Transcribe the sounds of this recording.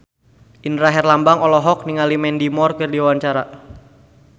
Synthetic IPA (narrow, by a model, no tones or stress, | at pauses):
ʔinɾaɦɛrlambaŋɔlɔɦɔk̚niŋalimɛndimɔrkərdiawaɲt͡ʃaɾa